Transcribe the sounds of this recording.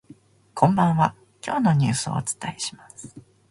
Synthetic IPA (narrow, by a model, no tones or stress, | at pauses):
kʰõ̞mbãɰ̃βa | kʲo̞ːno̞ɲ̟ɨːsɨo̞̰ːt͡sɨ̥t̪aeɕi̥masɨ̥